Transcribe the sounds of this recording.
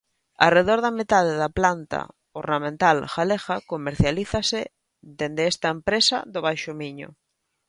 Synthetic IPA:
a̰reðoɾðamet̪að̞eðaplant̪a̰ | oɾnamẽnt̪alxalexakomeɾθjaliθase | ðend̪eest̪aempɾesa̰ðoβ̞ajʃʊmiɲʊ̰

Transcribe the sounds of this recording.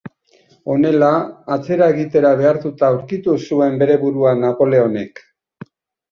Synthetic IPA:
o̞ne̞laːt͡se̞ɾae̞ɣit̪e̞ɾaβ̞e̞aɾt̪ut̪aːwɾkit̪usue̞mbe̞ɾe̞βuɾuanapo̞le̞o̞ne̞k

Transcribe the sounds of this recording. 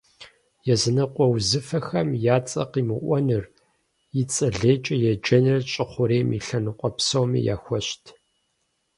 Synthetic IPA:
jɛzɨnɐqʷʼɔwzɨfɐxɐmjaːt͡sʼɐ̰qiːmɨʔʷɔnɨr | jɪt͡sʼɐɮeːt͡ʃʼɐjɛd͡ʒɐnɨrɕʼɪχʷʊɾeːmḭɬɐnɨqʷʼɔpsowmḭja̰ːxʷɔɕtʰ

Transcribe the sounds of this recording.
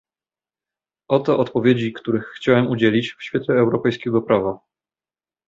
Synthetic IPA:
ɔt̪ɔʔɔt̪pɔvʲjed͡ʑikt̪uɾɘxːt͡ɕawɛmud͡ʑelʲit͡ɕfɕfʲjɛt̪lɛːwɾɔpɛjskʲɛɡɔpɾava

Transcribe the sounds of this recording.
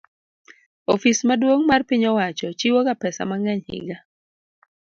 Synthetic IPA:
ofismadwoŋmarpiɲɔwat͡ʃɔt͡ʃiwokapɛsa̰maŋɛɲhɪ̰ɡa

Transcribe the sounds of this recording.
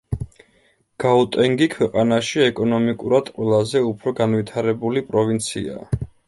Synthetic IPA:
ɡ̥aut̪ʼɛŋɡikʰwɛqʼanaʃiɛkʼɔnɔmikʼuɾad̪̥qʼwɛlˠazɛupʰɾɔɡanvit̪ʰaɾɛbulipʼɾɔvint̪sʰḭa̰

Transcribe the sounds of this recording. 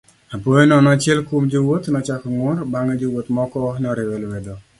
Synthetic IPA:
apojenɔnɔat͡ʃɪɛlkomd͡ʒowot̪nɔt͡ʃakɔŋʊɾbaŋad͡ʒowot̪mɔkɔnɛɔɾɪwɛlwɛd̪ɔ

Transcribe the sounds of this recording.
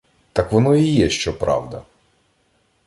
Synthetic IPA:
t̪ɑkʋɔnɔijɛʃt͡ʃɔpɾɑ̰wd̪ɐ̰

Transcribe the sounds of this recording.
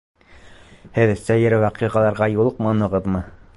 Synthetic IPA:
hɘðsæjɘ̆ɾwæqiʁɑlˠɑɾʁɑjulˠɤqmɑnɤ̆ʁɤ̆ðmɤ

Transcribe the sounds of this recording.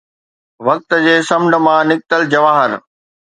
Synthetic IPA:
ʋɐk̚t̪d͡ʑeːsɐmɳə̆mãnɪk̚t̪əld͡ʑɐʋaːɦəɾ

